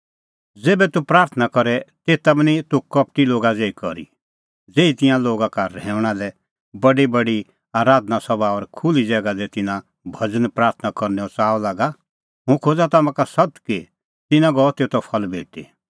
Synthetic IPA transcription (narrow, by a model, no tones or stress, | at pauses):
d͡zeːbɛt̪upɾaːɾt̪ʰnakɔɾɛt̪eːt̪abnit̪ukɐp̚ʈiloːɡad͡zeːikɔɾḭ | d͡zeːit̪ɪ̃jãloːɡakaɾɛ̃ːʊɽ̃alɛ | bɐɖibɐɖi | aːɾaːd̪nasɐbaɔɾkʰʊlid͡zɛːɡad̪ɛt̪ɪnã | bʱɐd͡zənpɾaːɾt̪ʰnakɔɾnɛɔt͡saːlaːɡa | ɦũkʰoːd͡zat̪amãkasɐt̪ki | t̪ɪnãɡɔɔt̪eːt̪ɔpʰɐlbʱḛːʈḛ